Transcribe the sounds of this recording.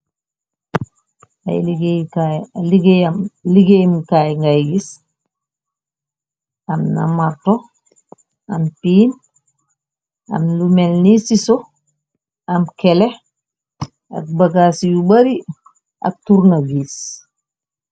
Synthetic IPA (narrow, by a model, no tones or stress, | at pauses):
a̰jliɡaliɡejamliɡejmkajŋɡajɡis | amnamaɾtɔ | ampiːn | a̰mlumɛlnisisɔ | amkɛlɛ | a̰k̚baɡasijubaɾi | a̰k̚tuɾnabis